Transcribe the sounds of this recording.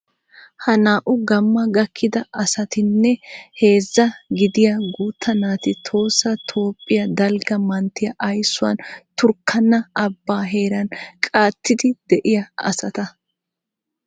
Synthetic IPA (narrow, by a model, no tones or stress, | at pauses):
hɐnaːʔʊɡɐmːɐɡɐkʰːɪd̪ɐʔɐsɐt̪ɪnːɛhe̞ːzːɐɡɪd̪ɪjɐɡuːt̪ʰːɐnaːt̪ɪt̪ʰo̞ːsːɐt̪ʰo̞ːpʼːɪjɐd̪ɐlɡɐmɐnt̪ːɪjɐʔɐjsːʊwɐ̰nt̪ʊɾkʰːɐnːɐɐbːaːɦe̞ːɾɐnkʼaːt̪ːɪd̪ɪd̪̥ɛʔɪjɐɐ̰sɐt̪ɐ